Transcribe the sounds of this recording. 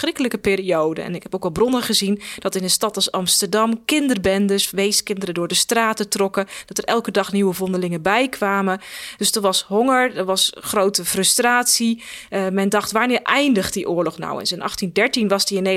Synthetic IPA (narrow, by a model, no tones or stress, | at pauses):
rɪkələkəpɪːɾiowdə̰ɛ̰nɪkɦɛpowkʋɛlˠbrɔnəχəzind̥ɑtɪndəstɑtɑlˠsɑmstəɹdɑmkɪndərbɛndəsʋejskɪndərədʊːɹdəstraːtətrɔkəd̥ɔtərʔɛlˠkədɑχniʋəvɔndəlɪŋəbɛjkʰʋaːməd̥øsdɔtʋɑsɦoŋəɹdəʋɑsχrowtəfrɵstraːtsimɛndɑχtʋaːɹnɪːɹʔɛjndəχt̚diʔʊːɹlɔxna̰wə̰nsɛnʔɑ̰xtindɛɹtinʋɑzdiɪnːe